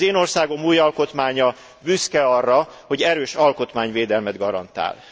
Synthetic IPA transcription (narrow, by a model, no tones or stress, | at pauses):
eːno̞rsaːɡo̞muːjɒlko̞t̪maːɲɒ | byskɛɒrːɒho̞ɟɛɾøːʃɒlko̞t̪maːɲveːd̪ɛlmɛd̪ɡɒɾɒ̰nt̪a̰ːl